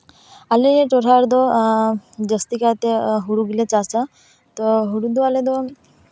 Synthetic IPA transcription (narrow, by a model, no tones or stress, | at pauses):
alejeʈoɾaɾd̪ɔ | d͡ʑəst̪ikat̪eɦuɽuɡilet͡sasa | t̪ɔɦuɽud̪oaled̪o